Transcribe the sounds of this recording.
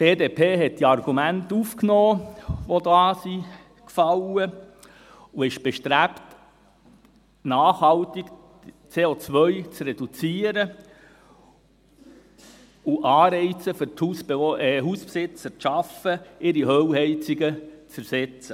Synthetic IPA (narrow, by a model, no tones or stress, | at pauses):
d̥eːdeːpʰeːɦɛt̚d̥iɑrɡ̥umæntufknoːʋodɑːsi | kfɑlə | uɪʃb̥ɛʃtɾæpt | nɑːχhɑltɪk | t͡seːot͡sʋœʏt͡srɛd̥ut͡siːəɾə | uʔɑːɾɛɪt͡səfʏɾthusbeɦuːspsɪt͡səɾtʃɑfəɪɾiɦøwhɛɪt͡siɡət͡səɾsɛt͡sə